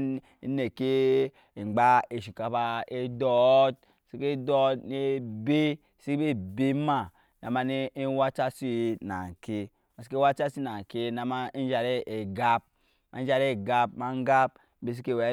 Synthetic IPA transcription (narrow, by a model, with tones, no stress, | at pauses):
ne˨ke˦˨ | ŋ͡mɡ͡ba˦e˨ʃi˨ka˨ba˦e˦dɔ˦t̚ | si˦ke˦do˦ne˦be˦˨ | si˦e˦be˦ma˦˨ | na˨ma˦ne˦wa˦t͡ʃa˦si˦˨˦na̰˨ke˦ | ma˨si˦e˦wa˦t͡ʃa˦si˦na˨ŋ˨ke˦na˨ma˦n˦d͡ʒa˨ɾe˦e˨ɡa˦p̚ | ma˨˦a˨ɾe˦˨ɡa˦pma˨ŋ˦ɡa˦p̚ | be˦s̬i˦ke˦˨we˨˦